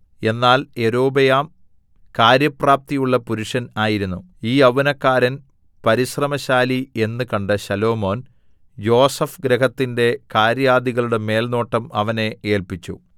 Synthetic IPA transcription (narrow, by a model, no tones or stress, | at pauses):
e̞nːaːle̞ɾo̞ːbɐjaːm | kaːɾjɐpraːp̚t̪ijuɭːɐpuɾuʂɐnaːjiɾunːu | iːɐʋunɐkːaːɾɐn | pɐɾiɕrɐmɐɕaːlie̞nːɨkɐɳɖɨɕɐlo̞ːmo̞ːn | jo̞ːsɐfɡɾeɦɐt̪ːinde̞kaːɾjaːd̪iɣɐɭuɽe̞me̞ːlno̞ːʈːɐmɐʋɐne̞e̞ːlpit͡ɕːṵ